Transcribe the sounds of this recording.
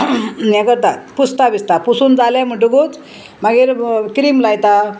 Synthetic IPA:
njɛkəɾt̪at̪pust̪abist̪apusuːnd͡zalẽm̤əʈ̬uɡot͡s | maɡiːɾkɾimlajt̪a

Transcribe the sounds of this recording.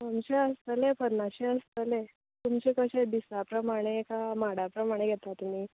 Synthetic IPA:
amt͡ɕeəst̪əlepəd̪naɕeəst̪əle | t̪umt͡ɕekəɕed̪isapɾəmaɽ̃ekamaɽapɾəmaɽ̃eɡʱet̪at̪ːumiː

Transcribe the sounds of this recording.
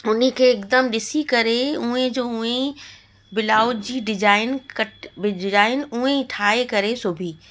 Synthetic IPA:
ʊnɦikʰeːkd̪əmɗɪsikɐɾeũẽd͡ʑoːʊ̃ẽ | bɪlaːʊd͡ʑiːɖɪd͡ʒaːɪnkɐʈbɪɖɪd͡ʒaːɪnuẽʈʰaːekɐɾesʊbʱiː

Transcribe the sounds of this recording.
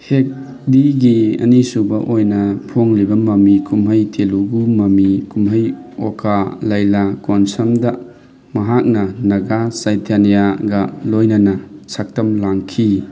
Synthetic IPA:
hek̚ | biɡiɐ̰nisubɐʔojnɐpʰoŋlibɐmɐmikʰumɦɐjtʰeluɡumɐmikumɦɐj | okʰalɐjlakonsɐmdɐ | mɐɦak̚nɐnɐɡasajtʰanijaɡɐlojnɐnɐsʰak̚tɐmlaŋkʰi

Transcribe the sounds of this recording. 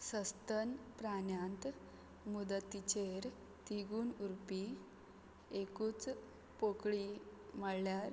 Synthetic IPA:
səst̪ənpɾanjãnt̪ | mud̪ət̪ːit͡ɕeɾ | t̪iɡuːnuɾpi | ekuːt͡s | pokɭiməɭljaɾ

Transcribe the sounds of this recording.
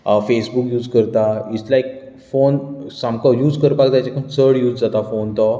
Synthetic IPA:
fesbukjuːd͡zkəɾt̪ait͡slaek̚ | fonsãmkɔjuːd͡zkəɾpakd͡zat͡ɕakʰənt͡sʰəɽjuːd͡zd͡zat̪afont̪ɔ

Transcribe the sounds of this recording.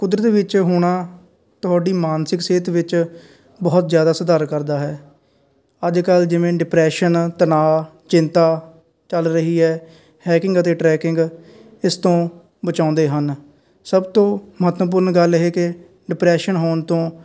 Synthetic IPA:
kʊd̪ɾət̪ʋɪt͡ʃɦʊɽaː | t̪ʊɦaːɖiːmaːnsɪkseːt̪ʋɪt͡ʃ | bɔːt̪zjaːd̪aːsəd̪aːɾkəɾd̪aːɦɛː | əd͡ʒkəld͡ʒɪʋẽːɖɪpɾɛːʃənt̪ənaː | t͡ʃɪ̃nt̪aː | t͡ʃəlɾəɦiːɦɛː | hɛːkɪŋɡət̪eːʈɾɛːkɪŋɡ | ɪst̪õː | bət͡ʃãːnd̪eːɦən | səbt̪õːməɦət̪ʋəp̬ʊɾnɡəlɦeːkɪ | ɖɪpɾɛːʃənɦoːnt̪õː

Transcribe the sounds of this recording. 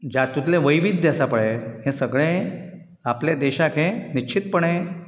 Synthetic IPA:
d͡ʑat̪ut̪lẽʋəjʋid̪ʱjasapəɭeɦẽsəɡɭẽ | apled̪eɕakʰẽnit͡ɕʰit̪̚pəɳ̃e

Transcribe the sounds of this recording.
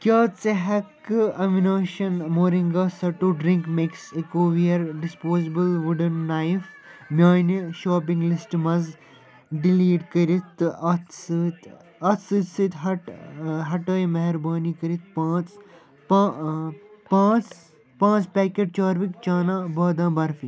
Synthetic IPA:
kʲaːt͡seɦɐkɐminaːʃɐnmoːɾĩŋɡaːsɐʈuɖɾĩŋkmeksekoːʋijɐɾɖɪspoːzibəlʋuɖənːajf | mjaːniʃaːp̬ĩŋɡlɪsʈmɐz | ɖiliːɖkɐɾit̪ɐt̪st̪ | ɐsɨsit̪ɦɐʈɦɐʈɐːjmɐɦɐɾbaːnikɐɾit̪̚pãːt͡s | pã | pãːt͡s | pãːt͡ʃpɛːkeːɖ̚t͡ʃaːɾʋikt͡ʃaːnãːbɐːd̪ãːbɐɾfiː

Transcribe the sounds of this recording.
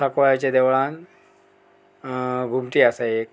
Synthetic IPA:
akʋajat͡ɕed̪eʋɭãn | ɡʱumʈ̪iːasaek

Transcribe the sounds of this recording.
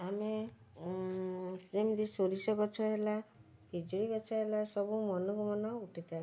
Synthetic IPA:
ame | semd̪isoɾisɔɡɔt͡ʃʰɔɦela | kid͡ʒuɽibɔt͡ʃʰɔɦelasɔbumɔnɔkumɔnɔuʈʰit̪a

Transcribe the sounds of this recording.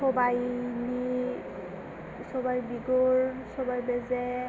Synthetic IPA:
ɔbajni | sɔbajbiɡoɹsɔbajbɛzɛ

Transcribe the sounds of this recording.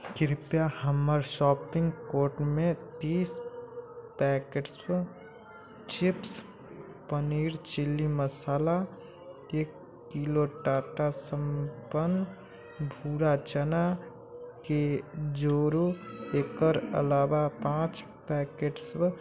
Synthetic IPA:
kɪɾpjahəməɾʃɔːpɪ̃ŋɡkoːɾʈmẽt̪iːs | pɛːkeʈs | t͡ʃɪps | pəniːɾt͡ʃɪlːiməsaːla | eːkː | iloʈaːʈasəmpən | bʱuːɾat͡ʃəna | ked͡ʒoːɾueːkəɾə̰laːwapãːt͡ʃ | pɛːkeʈs

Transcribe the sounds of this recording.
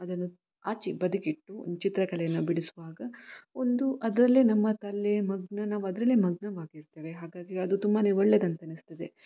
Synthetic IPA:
ɐd̪ɐnːu | aːt͡ʃibɐd̪ukiʈːṵt͡ʃit̪ɾɐkɐlɛjɐnːubiɽisuʋaːɡɐond̪uʔɐd̪ɾɐlːeːnɐmːɐt̪ɐlːemɐɡɳɐnaːʋuɐd̪ɾɐlːemɐɡɳɐʋaːɡiɾt̪eːɾeɦaːɡaːɡiɐd̪ut̪umbaneɔɭːed̪ɐnt̪ɐɐnist̪ɐd̪e

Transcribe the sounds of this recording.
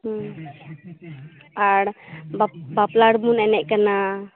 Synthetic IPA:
aɽbabaplaɽmunɛnɛʔ̚ˀkana

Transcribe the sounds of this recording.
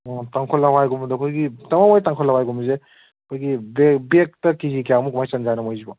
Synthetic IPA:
taŋkʰolːawajɡumɐdɐkʰojɡitɐmamojtaŋkʰolawajɡumze | kʰojɡibebek̚tɐkizikijamukumajsɐnzajnɐmojzibɐ

